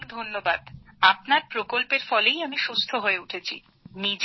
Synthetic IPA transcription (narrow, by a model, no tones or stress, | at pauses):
d̪ʱonːobad̪ap̚naɾpɾokolpeɾfɔlejamiʃust̪ʰoɦoeuʈʰet͡ɕʰḭ | nid͡ʑ